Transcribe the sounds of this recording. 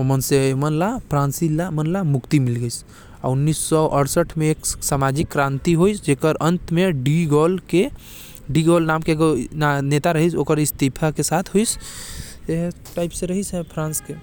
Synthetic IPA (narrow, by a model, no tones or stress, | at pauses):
omənsemənlapʰɾãnsilamənlamukt̪imilɡəjs | a̰unːisːɔʔəɽsəʈʰmeːksamad͡ʒikːɾant̪iɦojsd͡ʒekəɾənt̪meɖiɡɔlke | ɖiɡolnamkeɡonnet̪aɾəɦisokəɾist̪ipʰakesat̪ʰɦojs | eɦ | ʈajpsẽɾəɦisɦɛpʰɾãnske